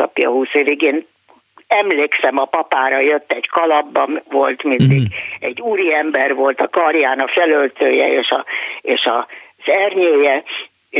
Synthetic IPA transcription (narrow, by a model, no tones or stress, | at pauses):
ɒ̰pijɒ̰ɦuːsøviɡeːn | ɛmleːksɛmɒpɒpaːɾɒjøt̪ːɛɟkɒlɒbːɒnvo̞lt̪mind̪iɡɛɟːuːɾiɛmbɛrʋo̞lt̪ɒkɒrjaːnɒfɛlølt̪øːjɛeːʃɒeːʃɒz̥ɛrɲøːjɛ